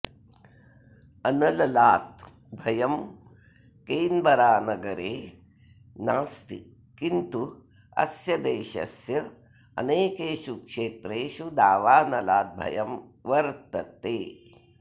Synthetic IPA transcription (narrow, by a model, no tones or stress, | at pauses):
ɐnɐlɐlaːt̪ | bʱɐjɐm | keːnbɐɾaːnɐɡɐɾeː | naːst̪ḭ | kint̪u | ɐ̰sjɐd̪eːʃɐ̰sjɐ | ɐ̰neːkeːʃukʂeːt̪ɾeːʃud̪aːʋaːnɐlaːt̪̚bʱɐ̰jɐm | ʋɐɾt̪ɐt̪eː